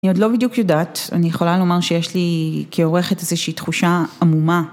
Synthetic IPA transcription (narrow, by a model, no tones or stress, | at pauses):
nio̞dlo̞bidjukjodaːta̰nijeχo̞lalo̞maʁʃejeʃlikʰeo̞ʁe̞χe̞tezeʃiːtχuʃaamuma